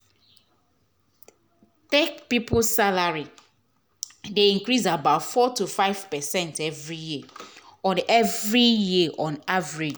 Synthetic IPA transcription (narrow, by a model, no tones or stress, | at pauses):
tekpipʰlsalaɹi | deĩnkɹis̬abaʊtfɔtufaɪv̥pɛsɛ̃ntʰɛvɹijiɔ̃nɛvɹijiəʔɔ̃navɹid͡ʒ